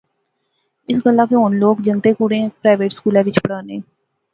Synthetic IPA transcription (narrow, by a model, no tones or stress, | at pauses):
ɪsɡəlːãːkeɦoːnloːkd͡ʒəŋt̪eːkuːɾẽːpɾaːʋeːʈskuːlɛ̃ːʋɪt͡ʃpəɽaːneː